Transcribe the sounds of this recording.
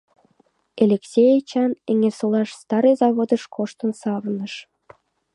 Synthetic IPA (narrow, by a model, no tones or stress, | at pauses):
elʲeksʲejet͡ɕɑneŋesolɑʃst̪ɑɾɤjzɑβod̪əʃkʰoʃt̪ənsɑβnəʃ